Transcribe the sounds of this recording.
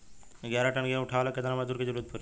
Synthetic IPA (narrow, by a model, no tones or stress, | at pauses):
ɡjaɾaʈɐnɡeuʈʰaʋlaket̪anamad̪uɾked͡ʑəɾuːət̪̚pʰuɾ